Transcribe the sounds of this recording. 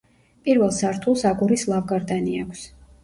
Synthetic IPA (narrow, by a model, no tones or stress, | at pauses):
pʼiɾvɛlˠsaɾt̪ʰulˠsaɡuɾislˠavɡaɾd̪aniakʰs